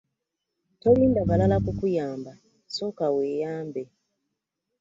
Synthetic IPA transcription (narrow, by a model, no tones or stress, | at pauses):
toliːndaβalalakukujaːmba | sokaweːjaːmbe